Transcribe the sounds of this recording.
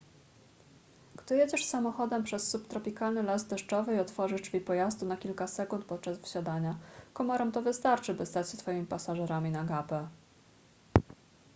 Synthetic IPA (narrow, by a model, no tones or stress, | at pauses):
ɡ̥d̪ɨjed͡ʑɛʂsamɔxɔd̪ɛmpʂɛsːupt̪ɾɔpʲikalnɘlazd̪ɛʂt͡ʂɔvɘiɔt̪fɔʐɘd͡ʐvʲipɔjazd̪unakʲilkasɛkunt̪̚pɔt̪̚t͡ʂazvɘɕad̪aɲakɔmɔɾɛmt̪ɔvɘst̪aɾt͡ʂɘbɘst̪at͡ɕɕɛt̪fɔjimʲipasaʐɛɾamʲinaɡapɛ